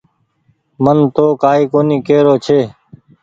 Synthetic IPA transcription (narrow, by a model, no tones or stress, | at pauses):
mənt̪oːkaːiːkoːniːkeːɾoːt͡ʃʰeː